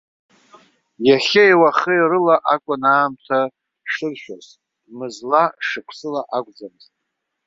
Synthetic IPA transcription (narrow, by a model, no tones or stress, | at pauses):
jaχʲejwaχəjrɨlaʔakʷʼʊnaːmtʰa | ʂɨrʃᶣaz | mɨzlaʂɨpʷʰsɨlaʔakʷʼd͡zamztʼ